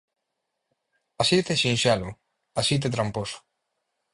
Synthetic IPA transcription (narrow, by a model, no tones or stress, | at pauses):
asit̪eʃinʃalo | asit̪̬et̪̬ɾamposʊ̥